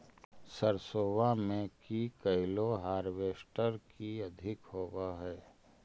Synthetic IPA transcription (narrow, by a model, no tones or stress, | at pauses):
səɾsoːʋamẽkikɐɪloɦaːɾʋeːsʈəɾkiɐd̪ʱɪkhoːwaɦɛː